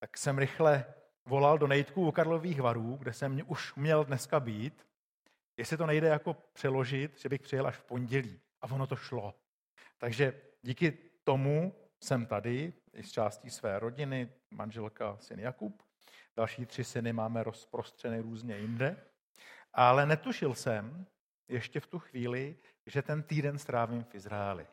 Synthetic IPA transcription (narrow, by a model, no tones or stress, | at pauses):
t̪aksɛmɾɪxlɛ | vo̞laldo̞nɛjɪt̪kuʔukaɾlo̞viːxvaɾuːɡdɛsɛmɲɛʔuʃmɲɛldnɛskabiːt̪ | jɛsɪt̪o̞nɛjdɛjako̞pr̥ɛlo̞ʒɪt̪ʒ̥ɛbɪxpr̥ɪjɛlʔaʃfpo̞nɟɛliː | ʔavo̞no̞t̪o̞ʃlo̞ | t̪aɡʒɛ | ɟiːkɪt̪o̞mu | sɛmt̪adɪ | ʔɪ̰st͡ʃaːsciːsvɛːɾo̞ɟɪnɪ | ma̰nʒɛlkasɪnjakup | d̥alʃiːt̪r̝̥ɪsɪnɪmaːmɛɾo̞spɾo̞st̪r̝̥ɛnɪɾuːzɲɛjɪndɛ | ʔalɛnɛt̪uʃɪlsɛm | jɛʃcɛft̪uxviːlɪ | ʒɛt̪ɛnt̪iːdɛnst̪ɾaːvimfɪzɾaɛlɪ̰